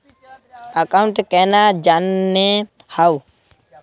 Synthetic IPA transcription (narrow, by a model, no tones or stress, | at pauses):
əkauɳʈkɛnad͡ʒanːe | haw